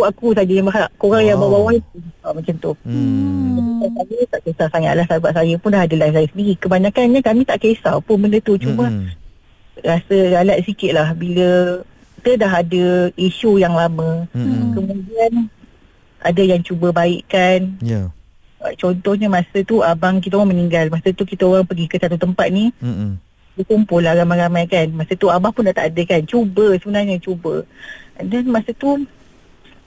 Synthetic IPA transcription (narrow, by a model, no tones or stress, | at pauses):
uakusad͡ʒajaŋbaɦaʔkoɾaŋjaŋbawawait̪uamə̃t͡ʃamt̪u | ait̪akamit̪aʔkesalsaŋa̰ʔ̪lahsabaʔsajəpʊndaɦadəlafsajəsəndiɣikəbaɲakanɲəkamĩt̪aʔkesalpʊnbəndət̪ut͡ʃumə | ɾasəɾalat̪̚sikɪt̪̚lahbilə | t̪ədaɦadəiʃujaŋlamə̃kəmũdian | ʔa̰dəjaŋt͡ʃubəbaɪʔkanj | a̰t͡ʃɔnt̪ɔhɲəmasət̪uabaŋkit̪̬aoɣaməniŋɡalmasət̪ukit̪aoɾaŋpəɡikəsat̪̬ut̪əmpat̪̚ni | əkumpʊlahɾamajɾamajkanmasət̪uabaŋpʊndaʔt̪a̰ʔadəkant͡ʃubəsəbənarɲət͡ʃubə̰danmasət̪u